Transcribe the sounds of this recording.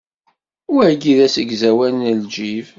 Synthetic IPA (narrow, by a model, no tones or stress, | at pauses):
ʊɾæɡiðæsəɡzæwænnəld͡ʒiv